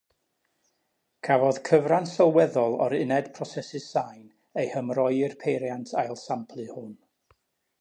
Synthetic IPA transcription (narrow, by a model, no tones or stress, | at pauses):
kʰavɔð̥kʰəvransɔlˠwɛðɔlˠɔ̰ɾɪnɛd̥pʰrɔsɛsɨsajn | ejhəmrɔjɪrpʰejɾjantʰajlˠsampʰlˠɨhʊn